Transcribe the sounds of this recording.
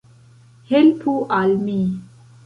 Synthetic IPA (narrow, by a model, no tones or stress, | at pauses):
helpʰuʔalmi